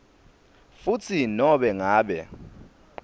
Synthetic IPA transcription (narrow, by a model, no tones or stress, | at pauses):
fut͡sʰinɔɓɛŋaːɓɛ